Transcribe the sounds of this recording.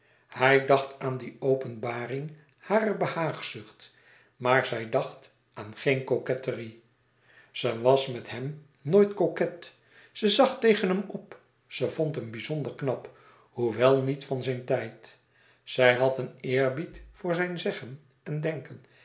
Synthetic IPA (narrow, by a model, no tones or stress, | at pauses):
hɛjdɑχtʰaːndiowpənbaːrɪŋ | haːrəbəhaːχsɵχt | maːɹzɛjdɑχt | ʔaːnχejnkokɛtəri | z̥əʋɑsmɛtɦɛm | nojtkokɛt | səzɑχtejχənɦɛmɔp | səvontɦəmbizondəɹknɑp | huʋɛlˠnitfɑnzɛjntɛjt | z̥ɛjɦɑtənɪːɹbitfʊːɹzɛjnzɛχən | ɛndɛŋkən